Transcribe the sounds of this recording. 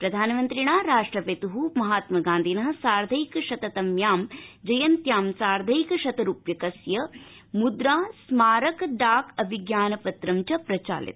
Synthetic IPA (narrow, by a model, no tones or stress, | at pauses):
pɾɐd̪ʱaːnɐmɐnt̪ɾiɳaːɾaːʂʈɾɐpet̪uɦumɐɦaːt̪mɐɡaːnd̪ʱinɐɦɐ̆saːɾd̪ʱɐjikɐʃɐt̪ɐt̪ɐmjaːmd͡ʒɐjɐnt̪jaːmsaːɾd̪ʱɐjkɐʃɐt̪ɐɾuːpjɐkɐsjɐ | mud̪ɾaːsmaːɾɐkɖaːkɐbʱiɡjaːnɐpɐt̪ɾɐmt͡ʃɐpɾɐt͡ʃa̰ːlḭt̪